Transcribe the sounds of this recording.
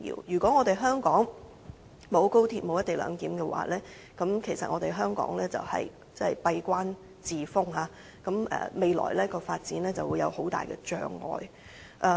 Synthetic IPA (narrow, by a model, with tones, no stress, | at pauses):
jḭː˧˥wjyː˨˩kʷɔː˨˥ŋɔː˨˧t̪e˨jɦœː˥ŋkɔː˨˥ŋ | mo˨˧wko˥wt̪ʰiː˨˩t̚mo˨˧wjɐ˥t̪e˨˩lœ̰ː˨˧ŋt̪iː˨˥mkɛː˧wʔa̰ː˨˧˦lɛː˥ | kɐ˨˥mkʰe˨˩jsɐ˨t̚ŋɔː˨˧ɾe˨jɦœː˥ŋkɔ̰ː˨˥ŋlɛː˥t͡sɐ̰˨whɐ̰˨˩j | t͡sɐ˥˨jpɐ˧jkʷaː˥n | t͡siː˨fʊ˥ŋɦaː˨˧ | kɐ˨˥mʔɛ̰ː˨˩me˨jlɔ̰ː˨˩jlɛː˥kɔː˧faː˧t̚t͡siː˨˥nlɛː˥t͡sɐ˨wu˨˧jɐ̰˨˧who˨˥wt̪a̰ː˨jkɛ̰˧t͡ʃœ̰ː˧ŋːɔ̰ː˨j | ʔɛ˧